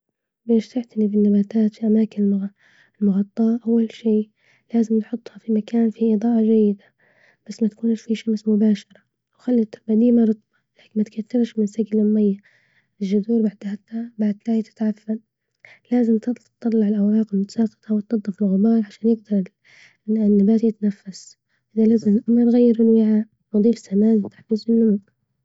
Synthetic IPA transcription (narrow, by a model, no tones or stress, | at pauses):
beːʃt̪ɪʕt̪alibɪnːabaːt̪aːt̪fiʔamaːkɪnɪl | ɪlmʊɣɑt̪ˤːɑːʔawːalʃiː | laːzɪmt̪ħʊt̪ˤːhafimakʰaːnfiʔɪd̪ˤɑːʔɑd͡ʒajːɪd̪a | b̥asːmat̪ḁkuːnʃfiʃamsmʊbaːʃɑɾˤɑ | wxalːat̪ɪlbad̪iːmaɾˤɨt̪ˤbɑlaːkɪnmat̪kʰat̪ːɪɾʃmɪnsaɡlʕʊmːajːa | ɪʒːʊd̪uːɾbaʕd̪hat̪ːabaʕd̪laːjt̪ɪ̥t̪ʕafːal | laːzɪmt̪ɨt̪ˤtt̪ˤːɑlːɑʕɪlʔawɾaːqɪlmʊt̪sɑːqɪ̥t̪awɪt̪ːɑd̪ˤːɑfɪlɣʊbɑːɾˤʕaʃaːnjɪɡ̚d̪ɑɾˤɪ | nːabaːt̪jɪt̪nafːas | ʔɪðalaːzɪmɪlʔamɾˤɣajːɪɾɪnwɪʕaːʔ | nʊd̪ˤiːfsamaːnt̪ḁħfiːzɪnːʊmuʔ